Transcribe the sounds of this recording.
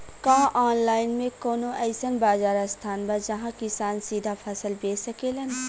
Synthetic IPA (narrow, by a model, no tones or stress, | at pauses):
kãːʔaːnlaːɪnmẽkoːnõʔɛɪsənbaːd͡ʒaːɾast̪ʰaːnbad͡ʒɐɦãkɪsaːnsiːd̪ʱapʰɐsəlbeːsəkelɐn